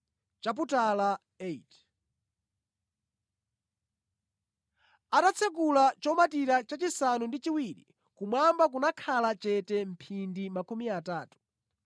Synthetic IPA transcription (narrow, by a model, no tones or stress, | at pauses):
t͡ʃap̬utala | eit | atat͡sʰɛk̬ulat͡ʃɔmatiɾat͡ʃat͡ʃisanundit͡ʃiwiɾḭ | kumwambak̬unakʰalat͡ʃɛtɛm̩pʰindimakumiataːtu̥